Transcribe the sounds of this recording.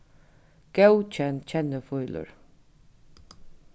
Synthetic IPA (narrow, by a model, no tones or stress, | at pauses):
ɡ̥ɛwt͡ʃʰɛnt͡ɕʰɛnəfʊjlʊ̰ɹ